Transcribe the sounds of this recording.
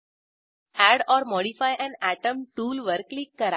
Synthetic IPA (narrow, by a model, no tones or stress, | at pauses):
æɽɔːɾmɔɽifajʔɛ̃næʈəmʈuːlʋəɾklikːəɾa